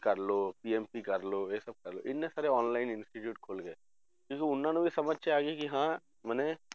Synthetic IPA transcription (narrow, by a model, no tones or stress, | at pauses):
kɐɾloːpiːɛːmpikɐɾloːesɐb̚kɐɾlo̰ʔɪnːesaːɾeɔːnlaːɪnɪ̃nsʈiʈjuːʈ̚kʰoːlɡeː | kũːkiʊnːãːnẽbʱisɐməd͡ʒʱʃeaːɡikiɦãː | mɛːne